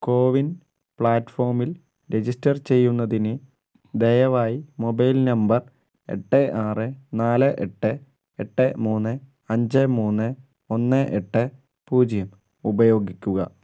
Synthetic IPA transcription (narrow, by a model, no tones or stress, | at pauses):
ko̞ːʋin | pɭaːʈːfo̞ːrmil | ɾe̞d͡ʑistɐrt͡ɕe̞jːunːɐðinɨ | d̪ejɐʋaːjimo̞bɐjlnɐmbɐr | e̞̰ʈːɨʔaːrɨnaːlɨʔeʈːɨ | eʈːɨmuːnːɨ | ɐɲd͡ʑɨmuːnːɨ | o̞nːɨʔeʈːɨ | puːd͡ʑjɐm | ubɐjo̞ːɡikʲːuɣɐ̰